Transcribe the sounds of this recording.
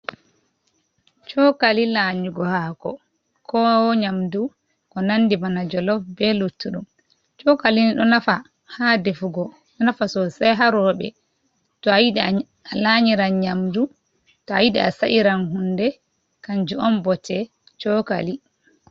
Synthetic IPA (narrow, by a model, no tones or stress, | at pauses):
t͡ʃɔkalilaɲiɡɔhakɔ | kʰɔwɲamdu | kɔnanːdimanad͡ʒɔlɔfbɛlutːuɗum | t͡ʃɔkaliniɗɔnafa | hadefuɡɔ | ɗɔnafasɔsajɦaɾɔɓɛ̰ | tɔjiɗ | alaɲiɾanɲamdu | tɔajiɗɛ̰a̰saʔiɾanɦundɛ | kand͡ʒuɔmbɔtʰɛ | t͡ʃɔka̰li